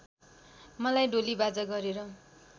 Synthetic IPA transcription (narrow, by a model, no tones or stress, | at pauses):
mʌlajɖolibad͡zʌɡʌɾeɾʌ